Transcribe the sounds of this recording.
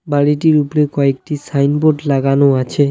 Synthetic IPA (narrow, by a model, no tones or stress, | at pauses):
baɽiʈiɾupɾekɔek̚ʈisajnboʈlaɡanoat͡ɕʰe